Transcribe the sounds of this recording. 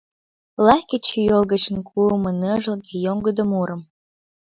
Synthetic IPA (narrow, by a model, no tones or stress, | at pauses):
lɑkʲet͡ɕijolɣət͡ɕə̆nkʰumənəʒə̆lkejoŋɡəd̪əmuɾəm